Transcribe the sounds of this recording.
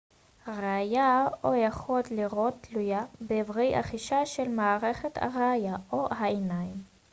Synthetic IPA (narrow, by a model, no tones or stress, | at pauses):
ʁeajaojaχot̪liʁotːlujabeːvʁejʔa̰χiʃaʃelmaːʁeχet̪a̰ʁeajaʔohaenajim